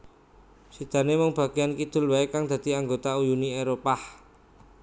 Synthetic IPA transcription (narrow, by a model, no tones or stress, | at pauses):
sid̪̥a̤nemɔŋb̥a̤ɡ̥iankid̪̥ʊ̤lwaekaŋd̪̥ä̤d̪̥i̤aŋɡot̪aujunieɾopah